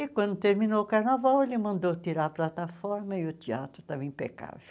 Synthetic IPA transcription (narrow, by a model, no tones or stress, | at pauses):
ɪkwɐ̃nd̪ʊt̪eɾminoʊkaɾnavawelɪmɐ̃nd̪ot̪iɾaɐplat̪afɔɾmɐɪʊt̪ia̰t̪ɾʊt̪avẽj̃pḛka̰vʊ